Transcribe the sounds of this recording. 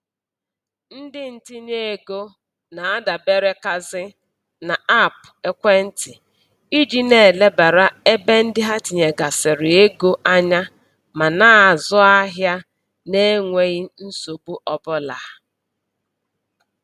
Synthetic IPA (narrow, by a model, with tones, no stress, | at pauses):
n̩˦dɪ˦n̩˨tɪ˦ne˦˨e˨ɡo˦ | na˨a˦da˨be˦ɾe˦ka˦zɪ˦ | na˨a˦˨pe˦kʷe˦n̩˦tɪ˨ | i˦d͡ʒi˦ne˨le˦ba˨ɾa˦e˦be˦n̩˦dɪ˦ɦa˦ti˨ɲe˨ɡa˨sɪ˨ɾɪ˨e˦ɡo˦ʔa˦ɲa˦ | ma˨naː˦˨zʊ˦a˦ɦja˦ | ne˦ŋʷe˦ɣi˦n̩˦so˨bu˦ʔɔ˦bʊ˦la˨